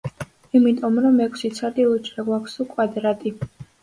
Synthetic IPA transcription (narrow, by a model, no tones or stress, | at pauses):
imit̪ʼɔmɾɔmɛkʰsit̪sʰad̪ilˠut͡ʃʼɾaɡwakʷʰsukʼwad̪ɾat̪ʼi